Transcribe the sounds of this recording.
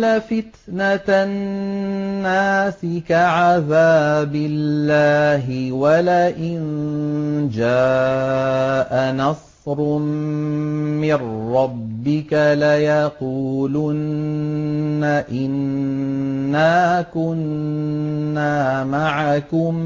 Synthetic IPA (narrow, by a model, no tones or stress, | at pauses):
lafɪt̪nata | aːsɪkaʕaðaːbɪlːaːɦɪwalaʔɪn | d͡ʒaː | ʔanɑsˤ | ɾ | mɪrːɑbːɪkalajɑquːlʊnː | aʔɪnː | aːkʊnː | aːmaʕakʊm